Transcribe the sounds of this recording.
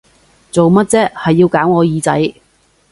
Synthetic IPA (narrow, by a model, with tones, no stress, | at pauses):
t͡so˨wmɐ˥t̚t͡sɛː˥hɐ˨jːiː˧wkaː˨˥wŋɔː˨˧jiː˨˧t͡sɐ̰˨˥j